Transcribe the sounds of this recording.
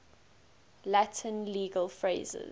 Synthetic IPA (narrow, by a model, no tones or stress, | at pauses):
latʰə̃nliːɡəlfɹeɪzɪ̰z